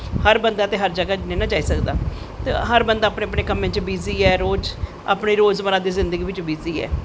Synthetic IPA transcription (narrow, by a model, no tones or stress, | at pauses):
həɾbənd̪aːt̪eːɦəɾd͡ʒəɡaːnẽːnãːd͡ʒaːiːsəkd̪a̰ː | t̪ḛɦəɾbənd̪aːpɳeːəpɳeːkəmẽːt͡ʃbiːziːɛːɾoːd͡ʒ | a̰ːpniːɾoːzməɾãːd̪eːzɪ̃nd̪əɡiːʋɪt͡ʃbiːziːɛ̰ː